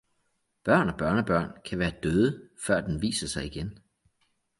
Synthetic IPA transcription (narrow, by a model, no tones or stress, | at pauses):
b̥ɶɐ̰nɒ̽b̥ɶɐnəb̥ɶɐ̰nkʰæʋæːɐd̥øːðˠəfɶɐ̰d̥enʋḭːsɐsɑ̈ɪiɡ̥en